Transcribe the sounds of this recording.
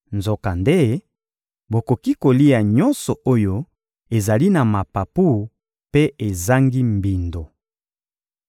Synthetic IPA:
nzo˨ka˨nde˦ | bo˨ko˨ki˦ko˨li˦a˨ɲɔ˦nsɔ˨o˦jo˦ | e˨za˨li˦na˨ma˨pa˨pu˦ | pe˦e˨za˦ŋɡi˦mbi˨ndo˨

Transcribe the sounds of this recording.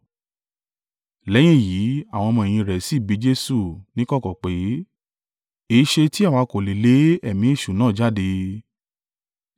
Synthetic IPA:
lɛ˨˦j̃ĩ˦˨ji˨˦a˦˨w̃ɔ̃˧mɔ̃˧e˨j̃ĩ˧ɾɛ˨si˨˦˨bi˨˦d͡ʒe˦su˦˨nĩ˦kɔ˦kɔ˨k͡pe˨˦ | e˨˦ʃe˧ti˦a˦˨wa˨˧˦ko˨le˨le˨˦ɛ˦˨mĩ˨˦e˦˨ʃu˨˦nãː˦˨d͡ʒa˦˨de˧

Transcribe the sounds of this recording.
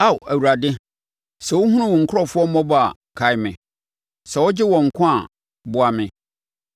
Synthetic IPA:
a˦˨wʔæ˨wu˨ɾa˨dɪ˦ | sɛ˨wʊ˦ɦũ˦ʊ̃˦wɔ̃˨ŋ̩˨kʰʊ˦ɔ˦˨fʊ˦ɔ˦mɔ̃˦ba̰˨ | kʰa˨ɪ˦mɪ̃˨ | sɛ˨wʊ˦d͡ʑɪ˦wɔ̃˨ŋ̩˨kʰʊ̃˦a˨ | bʊ˨˦a˨mɪ̃˨

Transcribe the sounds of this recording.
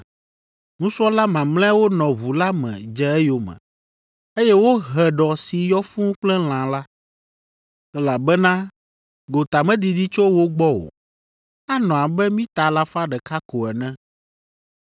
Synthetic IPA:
ŋũ˦su˦ɔ˦la˦mã˨mlɛ̃˦wo˦nɔ̃˨βu˨la˦mɛ̰̃˨d͡ʒɛ˦ɛ˦jo˨mɛ̰̃˨ | e˦jɛ˦wo˦ɦɛ˨ɖɔ˨si˨jɔ˦fũ˦k͡plɛ̃˦l̃ã˨la˦ | ɛ˦la˨bɛ˦nã˦ | ɡo˨t̪a˨mɛ̃˦d̪i˨d̪i˦t͡ʃo˦wo˦ɡ͡bɔ˦o̰˨ | a˦nɔ̃˨a˨bɛ˦mĩ˦t̪a˨la˦fa˦ɖɛ˨ka˦ko˨ɛ˨nɛ̃˦

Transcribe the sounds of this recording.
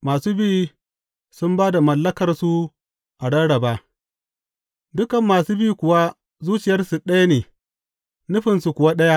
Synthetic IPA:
maː˨suː˦biː˦ | sʊ˦mbaː˦da˨mɐ˨lːɐ˦kɐ˨rsu˦ | ʔa˨ɽɐ˦ɽɐ˨baː˦ | dʊ˦kɐ˨mːaː˨suː˦biː˦˨kʷʊ˨wa˦ | zuː˦t͡ʃɪ˨jɐ˦rsu˨ɗɐ˦ja˦neː˨ | nʊ˦ɸɪ˨nsu˨kʷʊ˨wa˦ɗɐ˦ja˦

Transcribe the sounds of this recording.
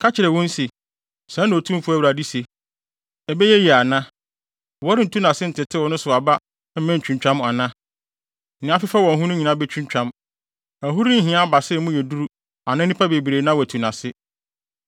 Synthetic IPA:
kʰa˦t͡ɕʰɪ˨ɾɛ˨wɔ̃˦n̩˦se˨ | sã˦nã˨o˨tʰũ˦m˦fu˦æ˦wɾa˨di˦se˨ | ɛ˨bɛ˦jɛ˦ji˨a˨nã˦˨ | wɔ˦ɾɪ˦n̩˨tʰu˦nã˨sɪ˦n̩˨tɪ˨tʰɪ˦wɔ˨nʊ̃˦sʊ˨a˨ba˦ | m̩˦mɛ̃˦n̩˨t͡ɕᶣũ˨ɲ˨t͡ɕᶣã˦m˨a˨nã˦ | n̩˨ɪ̃˨˦a˦fɪ˦fa˦wɔ̃˨ɦũ˦nʊ̃˦ɲĩ˨nã˦bɛ˦t͡ɕʰᶣũ˦ɲ˦t͡ɕᶣã˦m | æ˨ɦu˦ɾi˦n̩˦ɦɪ̃˨ã˦ba˨sɪ˦˨mʊ̃˦jɛ˨du˦ɾu˦ | a˨nã˦nĩ˦pʰa˦be˨bi˨ɾeː˨˦nã˦wɔ˨æ˨tʰu˨nã˨sɪ˦

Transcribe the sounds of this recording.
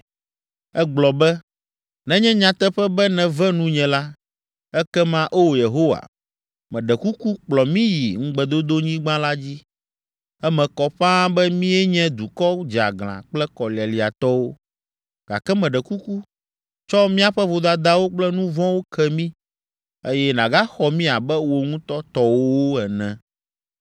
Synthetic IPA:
ɛ˦ɡ͡blɔ˨bɛ˦ | nɛ̃˦ɲɛ̃˦ɲã˨t̪ɛ˦ɸɛ˦bɛ˦nɛ̃˨vɛ̃˦nũ˦ɲɛ̃˨la˦ | ɛ˦kɛ˦mã˦ʔo˦wo˨je˨ɦo˦wa̰˨ | mɛ̃˨ɖɛ˨ku˦ku˦k͡plɔ˨mĩ˦ji˨ŋ̩˦ɡ͡bɛ˨d̪o˦d̪o˦ɲĩ˦ɡ͡bã˦la˦d͡ʑi˦ | ɛ˦mɛ̃˨kɔ˨ɸã˦bɛ˦mĩ˦ɛ˦ɲɛ̃˦d̪u˨kɔ˦d͡ʒa̰˨ɡl̃ã̰˨k͡plɛ˦kɔ˨li˨a˨li˨a˨t̪ɔ˦wo˦ | ɡ̥a̰˨kɛ˦mɛ̃˨ɖɛ˨ku˦ku˦ | t͡ʃɔ˦mĩ˦a˨ɸɛ˦vo˨d̪a˦d̪a˦wo˦k͡plɛ˦nũ˦vɔ̃˦wo˦kʰɛ˦mĩ˦ | e˦jɛ˦nã˨ɡa˦xɔ˨mĩ˦a˨bɛ˦wo˨ŋũ˦t̪ɔ˦t̪ɔ˦wo˦o˦ɛ˨nɛ̃˨

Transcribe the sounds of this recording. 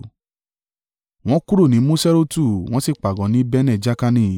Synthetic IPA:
w̃ɔ̃˦ku˦ɾo˦˨nĩ˨˦mũ˦sɛ˦ɾo˦tu˦˨w̃ɔ̃˦si˦˨k͡pa˨ɡɔ̃˨˦nĩ˨˦bɛ˦nɛ̃˦˨d͡ʒa˦ka˧nĩ˦˨

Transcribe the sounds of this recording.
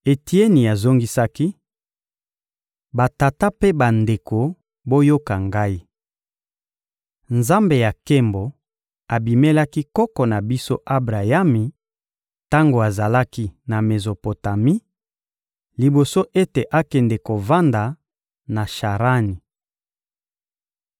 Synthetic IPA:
e˨ti˦e˦ni˨a˨zo˦ŋɡi˦sa˦ki˦ | ba˨ta˨ta˦pe˦ba˨nde˨ko˨ | bo˦jo˦ka˨ŋɡa˦i˦ | nza˦mbe˨ja˨ke˦mbo˨ | a˨bi˨me˦la˦ki˦kɔ˦kɔ˨na˨bi˦so̰˦ʔa˦bʁa˨ja˦mi˨ | ta˦ŋɡo˨a˨za˨la˦ki˦na˨me˨zo˨po˨ta˨mi˦ | li˨bo˨so˦ʔe˦te˨ʔa˦kɛ˨nde˨ko˨va˦nda˨ | na˨ʃa˨ʁa˦ni˨

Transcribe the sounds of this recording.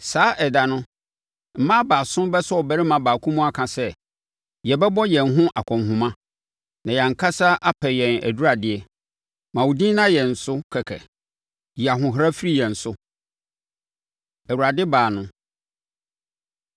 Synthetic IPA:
saː˨˦ʔɛ˨da˨nʊ̃˦ | m̩˨mã˦baː˨sʊ̃˦mbɛ˦sɔ˦ɔ˨bɛ˦ɾɪ˦mã˨baː˨kʰũ˦mũ˦a˦kʰã˨sɛ˦ | jɛ˨bɛ˦bɔ˦jɛ̃˨nɦʊ̃˦ʔa˨kʰɔ̃˨mɦʊ̃˨mã˦ | nã˨ja˨ŋ̩˨kʰa˦sa˦ʔa˦pʰɛ˨jɛ̃˨næ̰˨du˦ɾa˨dɪ˨ɛ˦ | mã˨wu˨dĩ˦nã˦jɛ˨n̩˨sʊ˦kʰɛ˨kʰɛ̰˨ | ji˨a˨ɦʊ̃˨ɦɾa˦fi˦ɾi˦jɛ̃˨n̩˨sʊ˦ | æ˨wu˨ɾa˨dɪ˦baː˨nʊ̃˦

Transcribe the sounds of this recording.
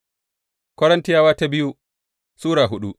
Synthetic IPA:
kʷɔ˦ɾɐ˦nti˦jaː˦waː˦ta˦bi˦ju˦ | suː˦ɾaː˨ɦu˦ɗu˦

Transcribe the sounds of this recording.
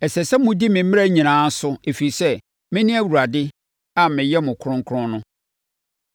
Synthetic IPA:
ɛ˨sɛ˨sɛ˦mʊ̃˦di˦mɪ̃˨m˦mɪ̃˦æ˦ɲĩ˨nãː˨˦n̩˦sʊ˦e˨fi˨i˨sɛ˦ | mɪ̃˦nɪ̃˦æ˦wu˨ɾa˨dɪ˦ | a˦mɪ̃˨jɛ˦mʊ̃˨kʰʊ˦ɾʊ̃˦ŋ˦kʰʊ˦ɾʊ̃˦nʊ̃˦

